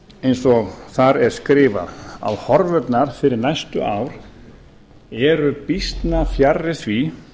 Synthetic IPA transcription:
ejnsɔɣθaɾɛɾ̥skɾɪːva̰ða̰whɔɾvʏt̪naɾ̥fɪɾɪɾnajst̪ʏ̰ʔaːwɾ̥ | ɛɾʏpist̪nafjarːɪθvi

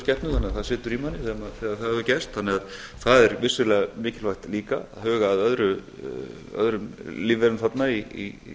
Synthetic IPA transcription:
scɛht̪nʏθanɪaθaðsɪːt̪ʏɾimanːɪsɛmaθɛːɣaθaðhɛðʏcɛst̪θanːɪɣað | θaðɛɾvɪsʏɾlɛːɣamɪːcɪlvajht̪liːka̰ahœːɣaːðœðɾʏ | œ̰ðɾʏmliːvɛɾʏmθat̪naiḭ

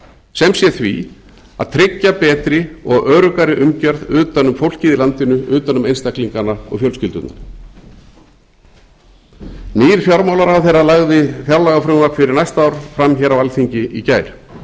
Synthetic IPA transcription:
sɛmsjɛθvḭ | a̰ðt̪ʰɾɪcːapɛːt̪ɾɪɔɣœːɾʏkaɾɪʔʏmcœɾðʏːt̪anʏmfowl̥cɪðɪlant̪ɪnʏʏːt̪anʏmejnst̪akliŋkanaɔ̰ɣfjœlscɪlt̪ʏt̪na̰n | niːɾ̥fjawɾmawlaɾawθejrːalaɣðɪfjalaɣafɾʏːmafɪɾɪɾnajst̪aaːwɾ̥fɾamçɛːɾavalθiɲcɪʔicaːjɾ̥

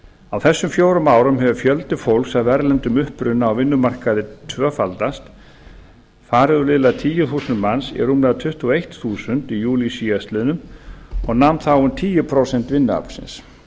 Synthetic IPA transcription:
awθɛsːʏmfjoːwɾʏmaːwɾʏmɦɛvʏfjœlt̪ɪfowlksavvɛɾlɛnt̪ʏmʏhpɾʏnːaːwvɪnːʏmar̥kaðɪt̪ʰvœːfalt̪ast̪ | faːɾɪðʏlɪlat̪ʰiːjʏθuːsʏnt̪mansḭrumlɛðat̪ʰʏht̪uaejht̪θuːsʏnt̪ijuːlisiːast̪lɪðnʏmɔɣnawmnt̪θawʏnt̪ʰiːjɪpʰɾowsɛnt̪vɪnːʏa̰pl̥sɪ̰ns

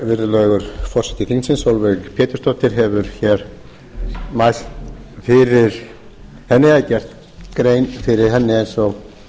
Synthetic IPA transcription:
vɪɾðʏlœɥɣʏɾ̥fɔr̥sɛ̥ht̪ɪfiŋsɪnsowlvɛɣpʰjɛːt̪ʏɾ̥st̪ɔht̪ɪɾ̥ɦɛvʏɾ̥çɛɾ̥ | majsfɪɾɪɾ̥ | hɛnːɪaðcɛr̥t̪ | kɾeːjnfɪɾɪɾ̥ɦɛnːɪɛjnsɔɣ

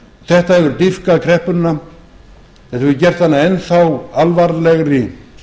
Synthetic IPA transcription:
θɛht̪ahɛvʏɾt̪ifkaðkʰɾɛhpʏnːa | θɛht̪avɪcɛr̥t̪θanːaɛnθawalvaɾlɛɣɾɪ

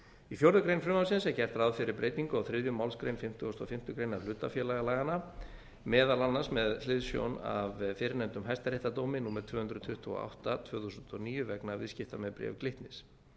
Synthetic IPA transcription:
ifjowɾðʏkɾejnfɾʏmawsɪnsɛcɛr̥t̪ɾaðfɪɾɪɾpɾejt̪niŋkʏawθɾɪðjʏmawlskɾejnfɪm̥t̪ɪost̪ɔfɪm̥t̪ʏkɾejnaɾlʏːt̪afjɛːlajɣalajɣana | mɛːðalanːasmɛðlɪðsjo̰wna̰vfɪɾɪnɛnt̪ʏmɦajst̪aɾejht̪at̪owmɪnuːmɛɾt̪ʰvœːhʏnd̪ɾʏt̪ʰʏht̪ʰv̥̰ːa̰wht̪at̪ʰvœːθusʏnt̪ɔniːjʏvɛknavɪ̰ðscɪft̪amɛðpɾɛ̰vklɪht̪nɪs

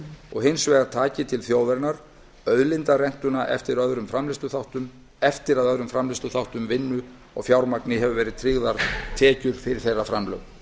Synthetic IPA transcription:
ɔ̰ɣɦɪnsvɛːɣaɾ̥t̪ʰaːcɪt̪ʰɪlθjoːwðɛɾnaɾ̥ | œðlɪnt̪arɛn̥t̪ʏnaʔɛ̰ft̪ɪɾœðɾʏmfɾamlɪst̪ʏθawht̪ʏm | ɛft̪ɪɾaðœðɾʏmfɾamlɪst̪ʏθawht̪ʏmvɪnːʏ | ɔ̰ɣfjawɾmaknɪɦɛvʏvɛːɾɪðt̪ʰɾɪɣðaɾt̪ʰɛːcʏɾ̥fɪɾɪɾ̥θejrːafɾamlœ̰wɣ

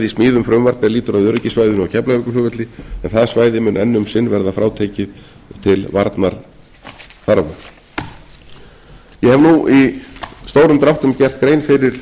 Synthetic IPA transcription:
ðismiːðʏmfɾʏmvaɾt̪nɛliːt̪ʏɾaðjœɾcɪsvaːjðʏnawcʰɛplaɪkʏfʏvœt̪lɪɛnθaðsvaːjðɪmʏnʔɛ̰nːʏmsɪnːvɛɾðafɾaːwt̪ʰeːcɪð | t̪ʰɪlvaɾt̪naɾ̥ | θaɾvʏ̰ | jɛhɛvnuʔist̪oːwɾʏmt̪ɾaht̪ʏmcɛr̥t̪kɾeːjnfɪɾɪɾ̥

